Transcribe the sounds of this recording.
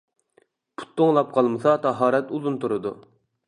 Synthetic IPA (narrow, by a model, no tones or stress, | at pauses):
pʰu̥t̪ʰːoŋlˠɑp̚qʰɑlˠmɨsɑt̪ʰɑɦɑːɾɛt̪uzunt̪uɾɨd̪ṵ